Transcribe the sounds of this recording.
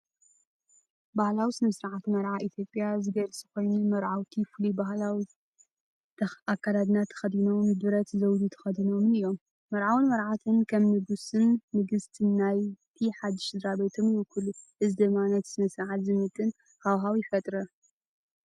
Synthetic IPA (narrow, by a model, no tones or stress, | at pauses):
bahlawisɨnɐsɨɾʕat̪mɐɾʕaʔit̪ʰjo̞pʼjazɨɡɐlsɨko̞jnumɐɾʕawt̪ʰifulibahlawi | akʰːalad̪nat̪ʰɐ̥xɐd̪ino̞mmd̪ɨɾɐt̪zɐwd̪ut̪ʰɐ̥xɐd̪ino̞mɨnɨjːo̞mː | ɐɾʕawnmɐɾʕat̪ʰɨnkʰɐmnɨɡusɨnːɨɡɨst̪ʰɨnːajt̪ʰiħad̪ːɨʃɨd̪ɾabet̪ʰomjɨkʰuluʔɨzd̪ɐmanɐt̪sɨnɐsɾʕat̪zɨmɨt̪ʼːɨn | hawɦawjɪfɐt̪ʼɾɐ